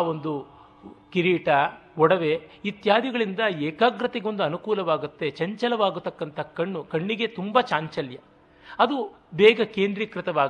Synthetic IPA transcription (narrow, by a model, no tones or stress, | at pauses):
o̞nd̪u | kiɾiːʈɐ | ɔɽɐʋeit̪jaːd̪ʱiɡɐɭind̪ɐɛːkaːɡɾɐt̪eɡo̞nd̪uɐnukuːlɐʋaːɡut̪ːe̞t͡ʃɐɲt͡ʃɐlɐʋaːɡut̪ːɐkːɐnt̪ʰɐkɐɳːukɐɳːiɡe̞t̪umbɐt͡ʃaːɲt͡ʃɐljɐ | ɐd̪ubɛːɡɐkeːnd̪ɾiːkɾɪt̪ɐʋaːɡ